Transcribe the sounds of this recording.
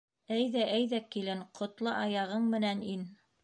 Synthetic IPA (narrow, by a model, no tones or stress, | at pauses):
æjðæʔæjðækilɘɴqʰŏt̪lˠɤʔɑjɑʁɤɴmɘ̆nænin